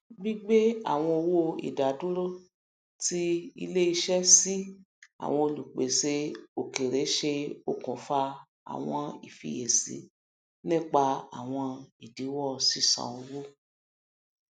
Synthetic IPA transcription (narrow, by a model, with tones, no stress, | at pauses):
ɡ͡bi˦ɡ͡be˦a̰˨w̃ɔ̃˧o˧wo˧ḭ˨da˨du˦ɾo˦ | ti˦ḭ˧le˦i˧ʃɛ˦si˦ | a̰˨w̃ɔ̃˧o˧lu˨k͡pe˨se˧˦o˨ke˨ɾe˨˦ʃe˧o˨kɔ̃˨fa˧ | a̰˨w̃ɔ̃˧ḭ˨fḭ˨˦je˨sḭ˨˦ | nĩ˦k͡pa˧a˨w̃ɔ̃˧i˨di˨˦wɔ˦˨si˦˨sã̰˨ũ˧wo˦